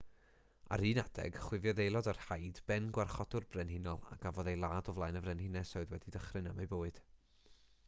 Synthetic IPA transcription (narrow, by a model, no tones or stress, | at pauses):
a̰ɾiːnad̥ɛ̰ɡ̥χwɪvjɔðejlˠɔdarhajdbɛnɡwarχɔd̥ʊrbrɛnhɪnɔlˠa̰ɡ̥avɔðejlˠaːdɔvlˠajnəvrɛnhɪnɛsɔɨðwɛdidəχrɨnamejboːɨd̥